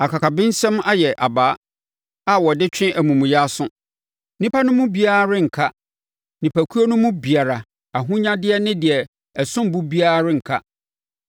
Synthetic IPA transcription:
a˨kʰa˨kʰa˨bɪ̃˦n˦sɛ̃˦ma˦jɛ˨ʔa˨baː˨˦ | a˦wɔ˨dɪ˦t͡ɕᶣɪ̃˦ʔæ˨mũ˨m̃˨jɛ˦a˦sʊ̃˦ | nĩ˦pʰa˦nʊ̃˦mʊ̃˦bi˦a˦˨ɾɪ̃˦ŋ̩˨kʰa˦ | nĩ˨pʰæ˨kʰu˦o˦nʊ̃˦mʊ̃˦bi˨a˨ɾa˨ | a˨ɦʊ̃˦ɲã˦dɪ˦ɛ˦nɪ̃˦dɪ˨ɛ˨ | ɛ˨sʊ̃˦mbu˦bi˦a˦ɾɾɪ̃˦ŋ̩˨kʰa̰˦

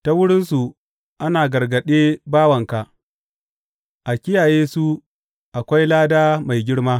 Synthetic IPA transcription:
ta˦wʊ˦ɽɪ˦nsu˨ | ʔa˦naː˨ɡɐ˨rɡɐ˨ɗeː˦baː˦wɐ˨ŋka˨ʔ | ʔa˨kʲɪ˦jaː˨jeː˦su˦ | ʔa˨kʷa˦jlaː˦daː˦ma˨jɡʲɪ˦ɽmaː˦

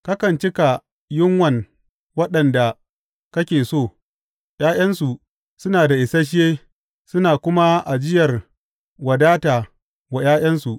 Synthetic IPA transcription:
ka˦kɐ˨nt͡ʃɪ˦ka˨ | jɪ˦ŋwɐ˨ŋ | wɐ˦ɗɐ˨nda˨ | kɐ˦kʲeː˨soː˦˨ | j̰aː˦j̰ɐ˦nsu˨ | sʊ˦naː˨da˨ʔɪ˨sɐ˦ʃ̬ɪ˦jeː˦ | sʊ˦naː˨kʷʊ˦ma˦ʔa˨d͡ʒɪ˦jɐ˨r | wɐ˨daː˦taː˨ | wa˨j̰aː˦j̰ɐ˦nsu˨ʔ

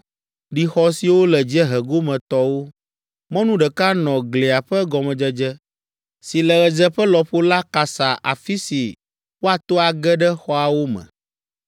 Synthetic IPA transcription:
ɖi˨xɔ˦si˨wo˦lɛ˨d͡ʑi˦ɛ˦ɦɛ˨ɡo˦mɛ̃˨t̪ɔ˦wo˦ | mɔ̃˦nũ˦ɖɛ˨ka˦nɔ̃˨ɡle˨a˨ɸɛ˦ɡɔ˨mɛ̃˨d͡ʒɛ˦d͡ʒɛ˦ | si˨lɛ˨ɣɛ˨d͡ʒɛ˦ɸə˦lɔ˨ɸo˦la˦ka˨sa˨ʔa̰˨fi˦si˨ | wo˦a˨t̪o˦a˨ɡɛ˦ɖɛ˦xɔ˦a˨wo˦mɛ̰̃˨

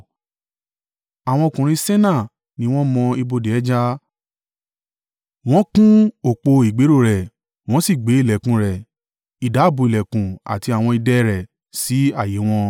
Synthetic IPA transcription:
a˨w̃ɔ̃˧o˧kũ˨ɾ̃ĩ˧sɛ˦nã˦˨ | nĩ˨˦w̃ɔ̃˦mɔ̃˧i˧bo˧de˨ɛ˦d͡ʒa˦ | w̃ɔ̃˦kũ˦o˦˨k͡po˧i˨ɡ͡be˨˦ɾo˦˨ɾɛ˨ | w̃ɔ̃˦si˦˨ɡ͡be˨˦i˦˨lɛ˨kũ˧˦ɾɛ˨ | i˨da˨˦˨bu˧˨i˨lɛ˨kũ˨a̰˨ti˧a˨w̃ɔ̃˧i˧dɛ˧ɾɛ˨ | si˨˦a˦˨je˨˦w̃ɔ̃˧

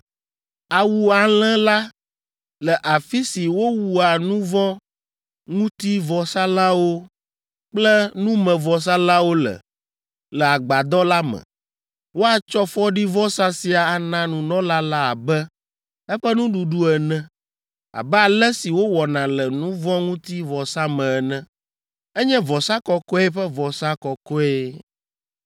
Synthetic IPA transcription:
a˨wu˨a˨l̃ɛ̃˦la˦ | lɛ˨ʔa˨fi˦si˨wo˦wu˨a˨nũ˦vɔ̃˦ | ŋũ˦t̪i˦vɔ˨sa˦la˦wo˦ | k͡plɛ˦nũ˦mɛ̃˨vɔ˨s̬a˦la˦wo˦lɛ̰˨ | lɛ˨a˨ɡ͡ba˨d̪ɔ˦la˦mɛ̰̃˨ | wo˦a˨t͡ʃɔ˦fɔ˦ɖi˦vɔ˦sa˦si˨a˨a˨nã˦nũ˨nɔ̃˦la˦la˦a˨bɛ˦ | ɛ˦ɸɛ˦nũ˦ɖu˨ɖu˦ɛ˨nɛ̃˦ | a̰˨bɛ˦a˨lɛ˦si˨wo˦wɔ˨nã˨lɛ˨nũ˦vɔ̃˦ŋũ˦t̪i˦vɔ˨sa˦mɛ̃˨ɛ˨nɛ̃˦ | ɛ˦ɲɛ̃˦vɔ˨sa˦kɔ˦kɔ˦ɛ˦ɸɛ˦vɔ˨sa˦kɔ˨kɔ˦e˦

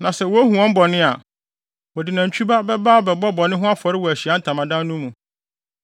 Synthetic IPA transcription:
nã˨sɛ˨wɔ˦æ˦ɦũ˨ɔ̃˦m̩˦bɔ˨nɪ̃˦a˨ | wɔ˨dɪ˨nã˨ɲ̩˨t͡ɕʰᶣu˦ba˦bɛ˦baː˦ɔ˨bɛ˨bɔ˦bɔ˨nɪ̃˦ɦʊ̃˦a˦fɔ˨ɾɪ˦wɔ˨æ˨ɕi˨a˦n̩˨tʰã˨mã˨dã˦n˦nũ˦mũ˨

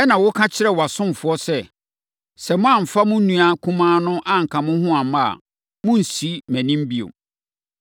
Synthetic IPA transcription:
ɛ˦nã˨wʊ˦kʰã˦t͡ɕʰɪ˦ɾɛ˦˨wa˨sʊ̃˦m˨fʊ˨˦ɔ˦sɛ˦ | sɛ˨mʊ̃˦ã˨m̩˨fa˦mʊ̃˦nũ˦a˦kʰũ˦mãː˦nʊ̃˦ʔã˦ŋ̩˨kʰã˨mʊ̃˦hʊ̃˦ã˨mã˨a̰˨ | mʊ̃˦n̩˨si˦mæ̃˨nĩ˦m˦bi˦o̰˨

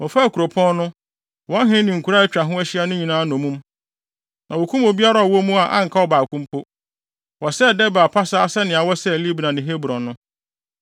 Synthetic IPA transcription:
wɔ˨fa˦˨kʰu˨ɾo˨pʰɔ̃˦nnʊ̃˦ | wɔ̃˦ɦɪ̃˦nɪ̃˨ŋ̩˨kʰu˨ɾa˦ɛ˦t͡ɕᶣɾa˨ɦʊ̃˦æ˦ɕi˦a˦nʊ̃˦ɲĩ˨nãː˦nʊ̃˨mũ˦m | nʔã˨wo˨kʰũ˦mo˨bi˦a˦ɾa˨ɔ˨wɔ˦mũ˦a˨ʔã̰˦ŋ̩˨kʰa˦ɔ˦ba˨kʰũ˦m˦pʰo˦ | wɔ˨sɛ˦˨dɛ˦ba˨pʰa˦sa˦a˦sɛ˦nɪ̃˨a˨wɔ˦sɛ˦˨li˦bi˨nã˨nɪ̃˨ɦe˦bu˨ɾɔ̃˨nʊ̃˦

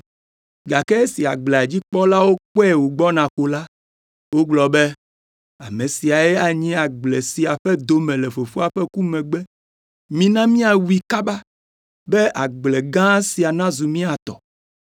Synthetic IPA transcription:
ɡa˨kɛ˦e˦si˨a˨ɡ͡blɛ˨a˨d͡ʑi˦k͡pɔ˦la˦wo˦k͡pɛ˦wo˨ɡ͡bɔ˦nã˨xo˨la˦ | wo˦ɡ͡blɔ˨bɛ˦ | a̰˨mẽ˨si˨a˨ɛ˦a˨ɲĩ˦a˨ɡ͡ble˨si˨a˨ɸɛ˦d̪o˦mɛ̃˨lɛ˨ɸo˨fo˦a˨ɸɛ˦ku˦mɛ̃˨ɡ͡bɛ˦ | mĩ˦nã˦mĩ˦a˨wu˦i˨ka˦ba˦ | bɛ˦ʔa˨ɡ͡ble˨ɡã˦si˨a˨nã˦zu˨mĩ˦a˨t̪ɔ̰˨

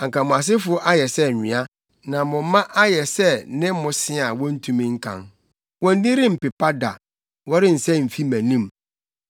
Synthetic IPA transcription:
ã˨ŋ˨kʰã˨mʊ̃˨a˨s̬ɪ˦fʊ˦ʔa˦jɛ˨sɛ˦ɲᶣɪ̃˨a˦ | nã˨mʊ̃˨m˦mã˦ʔa˦jɛ˨sɛ˦nɪ̃˦mʊ̃˨sɪ˦˨a˨wɔ̃˦n̩˦tʰũ˨mĩ˦ŋ̩˦kʰã̰˨n | wɔ̃˦n̩˦dĩ˦ɾĩ˦m̩˨pɪ˨pʰa˦da̰˨ | wɔ˦ɾɪ˦n̩˨sɛ˦m̩˨fi˦mæ̃˨nĩ˦m

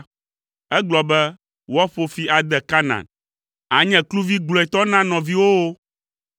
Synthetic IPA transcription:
ɛ˦ɡ͡blɔ˨bɛ˦ | wɔ˦ɸo˦fi˦a˨d̪ɛ˨ka˦nã̰˨n | a˨ɲɛ̃˨klu˦vi˦ɡ͡blɔ˨ɛ˨t̪ɔ˦nã˦nɔ̃˨vi˦wo˦wo˦

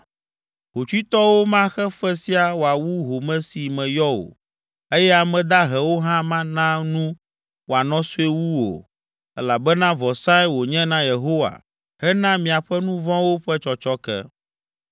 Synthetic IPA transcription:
ɦo˨t͡ʃi˦t̪ɔ˦wo˦mã˦xɛ˦ɸɛ˦si˦a˨wo˨a˨wu˦ɦo˨mɛ̃˦si˨mɛ̃˨jɔ˦o̰˨ | e˦jɛ˦a˨mɛ̃˨d̪a˦ɦɛ˨wo˦ɦã˦mã˦nã˦nũ˦ | wo˨a˨nɔ̃˦su˦e˦wu˦wo̰˨ | ɛ˦la˨bɛ˦nã˦vɔ˨sã˦i˦wo˨ɲɛ̃˦nã˦je˨ɦo˦wa̰˨ | hɛ˦nã˦mĩ˨a˨ɸɛ˦nũ˦vɔ̃˦wo˦ɸɛ˦t͡ʃɔ˦t͡ʃɔ˦kɛ̰˦

